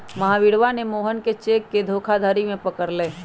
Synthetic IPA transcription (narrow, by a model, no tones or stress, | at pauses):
mɐɦãʋɪɽʋanemoːɦənket͡ʃeːkːed̪ʱoːkʰad̪ʱəɾimẽpəkəɾleː